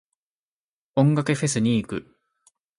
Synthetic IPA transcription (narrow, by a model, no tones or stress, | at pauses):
õ̞ŋɡakɯ̟ɸe̞sɨɲ̟iːkɯ̟